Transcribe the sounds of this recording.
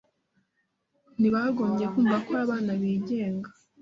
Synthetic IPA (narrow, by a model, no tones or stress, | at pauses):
niβaɡo̞ːmɟe̞kuːɱvakaβaːnaβiːɟe̞ːŋɡḁ